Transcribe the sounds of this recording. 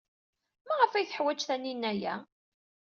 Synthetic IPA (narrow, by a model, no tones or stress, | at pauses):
mæʁəfæjθəħwæt͡ʃːθæninːæjæ